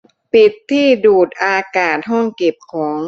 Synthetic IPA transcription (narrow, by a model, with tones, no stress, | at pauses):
pi˨˩t̪ʰːiː˥˩duː˨˩t̪̚ʔaː˧kaː˨˩t̪̚ɦɔ˥˩ŋke˨˩p̚kʰɔː˩˦ŋ